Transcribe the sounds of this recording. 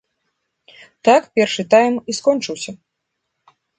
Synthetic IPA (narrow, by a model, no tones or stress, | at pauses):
t̪akpʲɛrʂɨt̪ajmiskɔnt͡ʂɨwsʲɐ